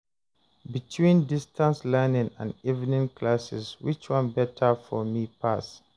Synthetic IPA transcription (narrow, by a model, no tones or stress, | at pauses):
bitʰwĩndistʰãnslɛnɪ̃ŋãnivnĩŋkʰlasɪ̰swit͡ʃwʌ̃nbɛtʰəfɔmipʰas